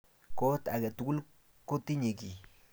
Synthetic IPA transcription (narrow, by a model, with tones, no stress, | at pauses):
ko˦t̪a˨ɡe˨t̪u˨ɡu˦l | ko˦t̪i˦ɲe˨ɡi˨